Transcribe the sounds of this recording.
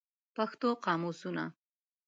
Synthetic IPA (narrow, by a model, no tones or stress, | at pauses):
paxt̪oqɑmusuna̰